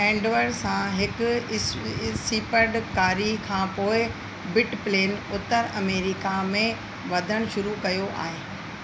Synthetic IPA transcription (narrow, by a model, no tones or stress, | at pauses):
ɛ̃ːɳɖʋəɾsãɦɪkʊ | siːpəɾɖkaːɾikʰãːpoːɪ | bɪʈpleːnʊt̪əɾɐmeːɾɪkamẽ | ʋɐd̪ʱəɽ̃ʃʊɾukɐjoʔa̰ːɦeː